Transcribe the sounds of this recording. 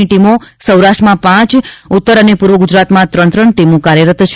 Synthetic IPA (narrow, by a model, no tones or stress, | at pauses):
iʈimosəwɾaʃʈɾəmãpãt͡ʃʊt̪ːəɾənepuɾʋəɡud͡ʒɾat̪mãt̪ɾə̃nt̪ɾəɳʈimokaɾjəɾət̪t͡ʃʰ